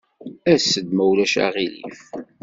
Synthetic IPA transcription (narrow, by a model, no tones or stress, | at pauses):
æsːəd̪mæwlæʃa̰ʁilḭf